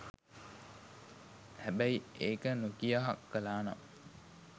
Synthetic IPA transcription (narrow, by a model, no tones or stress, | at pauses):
hæbæiʔeːkənukijaɦɐkːəlaːnɐ̰